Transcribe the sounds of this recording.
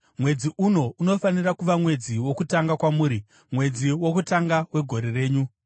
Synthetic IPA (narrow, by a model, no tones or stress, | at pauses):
mwe̞d͡ziʔuno̞ʔuno̞fanirakuʋamwe̞d͡ziwo̞kutaŋɡakwamuːɾi | mwe̞d͡ziwo̞kutaŋɡawe̞ɡʱo̞ɾe̞re̞ːɲu